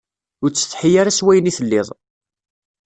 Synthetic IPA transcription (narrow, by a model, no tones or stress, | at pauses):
ʊɾt͡sːə̥θħijaɾaswæjəniθəlːɪðˤ